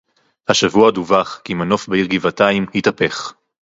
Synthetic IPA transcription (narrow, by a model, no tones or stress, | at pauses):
haʃavuaduvaχkimano̞fbeiʁɡivataimhitape̞χ